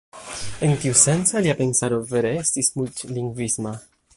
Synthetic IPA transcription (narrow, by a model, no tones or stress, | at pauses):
ənt̪iwsɛnsaliapensaɾoveɾest̪ismult̪liŋɡvisma